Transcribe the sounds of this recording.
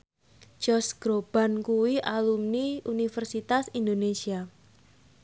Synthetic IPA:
d͡ʒ̥ɔsɡ̥ɾob̥a̤nkuwiʔalumniunifərsit̪asind̪onesia

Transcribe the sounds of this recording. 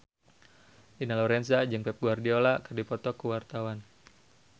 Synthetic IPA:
dinalɔɾɛnsad͡ʒɨŋpɛp̚ɡuardiolakərdipɔt̪ɔkuwart̪awan

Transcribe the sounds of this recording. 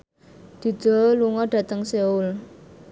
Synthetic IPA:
d̪̥i̤d̪̥ɔ̤luŋɔɖ̥ä̤t̪əŋseʊl

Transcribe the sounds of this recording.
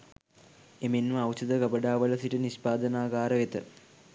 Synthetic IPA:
eminʋɐɐwt͡ɕɐd̪ɐkɐbɐɖaːʋɐlɐsiʈɐniɕpaːd̪ɐnaːɡaːɾɐʋet̪ːɐ̰

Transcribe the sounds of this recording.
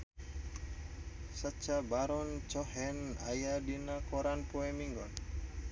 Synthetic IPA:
sət͡ʃabaɾɔnt͡ʃɔhɛna̰jadinakɔɾanpoɛmiŋɡɔn

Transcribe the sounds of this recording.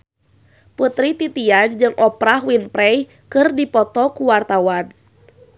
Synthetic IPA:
put̪ɾit̪it̪iand͡ʒɨŋʔɔpɾahwinpɾɛj | kɨrdipɔt̪ɔkuwart̪awan

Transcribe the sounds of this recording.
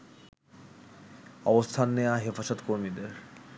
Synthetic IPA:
ɔbost̪ʰanːeaɦefaʃot̪koɾmid̪eɾ

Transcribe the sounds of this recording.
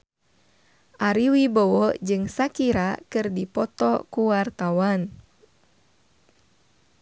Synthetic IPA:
ʔaɾiwibɔwɔd͡ʒɨŋsakiɾakɨrdipɔt̪ɔ̰kuwart̪awan

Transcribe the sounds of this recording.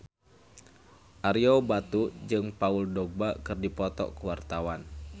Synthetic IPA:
ʔaɾiobat̪ud͡ʒɨŋpauldɔɡ̚bakɨrdipɔt̪ɔ̰kəwart̪awan

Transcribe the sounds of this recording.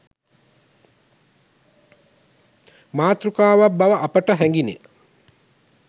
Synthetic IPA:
maːt̪rukaːʋabːaʋɐʔapəʈəɦɛŋɡinḛ

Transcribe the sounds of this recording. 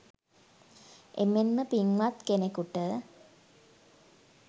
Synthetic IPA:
ʔemenməpiŋʋat̪kenekuʈə

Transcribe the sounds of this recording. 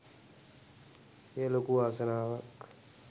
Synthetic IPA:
jelokuːaːsənaːʋək

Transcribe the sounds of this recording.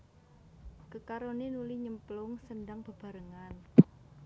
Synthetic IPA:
kəkaɾonenulihɲəmplʊŋsənɖaŋb̥ə̤b̥a̤ɾəŋan

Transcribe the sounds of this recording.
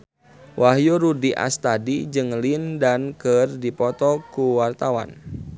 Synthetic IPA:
wʔaɦjoɾudiʔa̰st̪adid͡ʒɨŋlindankɨrdipɔt̪ɔkuwart̪awa̰n

